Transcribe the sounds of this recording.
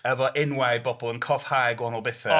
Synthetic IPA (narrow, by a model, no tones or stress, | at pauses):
əvɔʔɪnwajd̚bɔbɔlˠənkʰɔfhajɡwɔnɔlˠbɪθə